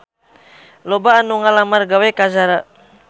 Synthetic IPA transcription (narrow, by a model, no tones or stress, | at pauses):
lɔbaːnuŋalamarɡawɛkazaɾa